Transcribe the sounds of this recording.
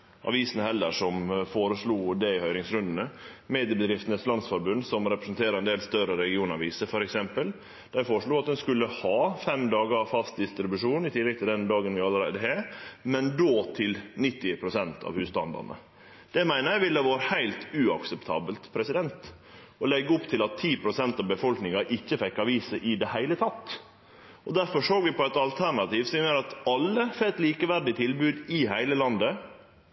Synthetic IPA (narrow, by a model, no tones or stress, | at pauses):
ʔɑ̰ʋiːsənəhɛlːəʂɔmfoːɾəʂɭuːd̪ɛɪhœʏɾɪŋsɾʉnd̪ənəmeːd̪ɪəbəd̪ɾɪft̪ənəslɑnsfɔɾbʉnd̪sɔmɾɛpɾəsənt̪ʰeːɾəɾɛnd̪eːlst̪œɾəɾɛɡɪuːnɑʋiːsəfɔɾɛksɛmpəl | d̪̥æɪfoːɾʂɭuːɑt̪̚d̪ɛnskʉlːəhɑːfɛmd̪ɑːɡəɾɑʋfɑst̪̚d̪ɪst̪ɾɪbʉʂuːnɪt̪ʰɪlːɛɡ̚t̪ɪld̪ɛnd̪ɑːɡənʋɪɑləɾæɪd̪əɦeɾmɛnd̪oːt̪ʰɪlnɪt̪ːɪpʰɾʊsɛnt̪ʰɑ̰ːʋhʉːst̪ɑ̰nd̪ɑ̰nə̰ | d̪̥ɛmæɪnəjæɪʋɪlːəʋɑːɾəhæɪlt̪ʉɑksɛpt̪ʰɑ̰ːbəlt̪pʰɾɛsɪd̪ɛnt̪ | ɔlɛɡːəʊpt̪ʰɪlɑt̪ʰːiːpʰɾʊsɛnt̪ɑːʋbəfɔlknɪŋɑʔɪçːəfɛkːɑʋiːsəʔɪd̪ɛhæɪlət̪ʰɑt̪ː | ɔd̪æɾfɔʂoːɡʋɪpɔæɪt̪ɑlt̪ʰæɾɳɑt̪iːʋsɔmɪmæɪəɾɑt̪ɑlːəfeːt̪liːkəʋæɾɖɪt̪ʰɪlbʉːd̪ɪɦæɪləlɑnd̪ə